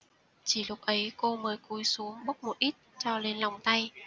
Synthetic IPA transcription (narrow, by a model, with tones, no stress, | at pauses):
t͡ɕi˧˩lʊ˨˩k͡p̚ʔə˨˦jko˧məː˨˦jku˨˦jsu˨˦əŋɓə˦˥k͡p̚mo˨t̚ʔi˦˥t̚t͡ɕɔ˧le˧nla˨˩wŋ͡mt̪a˧j